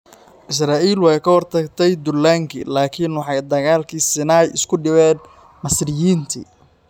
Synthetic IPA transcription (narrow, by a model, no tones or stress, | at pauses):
ʔɪs̬raːʔiːlwɑːjkʰɐhɔrt̪ʰɐɡt̪ʰɛjd̪ʊlaːŋkʰḭlaːkʰinwɑħɑjd̪ɐɣaːlkʰiːsɪnaːjɪ̰skʰʊɖɪβɛːn | mɐsrɪjiːnt̪ʰḭː